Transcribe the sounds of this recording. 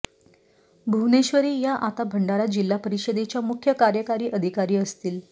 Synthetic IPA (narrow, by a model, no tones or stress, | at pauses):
bʱuʋneɕʋəɾiːjaʔat̪abʱəɳɖaɾad͡ʑilːapəɾiɕed̪et͡ɕjamukʰjəkaɾjəkaɾiːʔəd̪ʱikaɾiːəst̪iːl